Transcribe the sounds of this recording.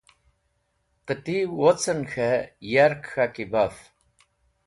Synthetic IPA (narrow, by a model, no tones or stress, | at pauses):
qətiwɔt͡sʰʼɨnxɐjaɾkxakibaf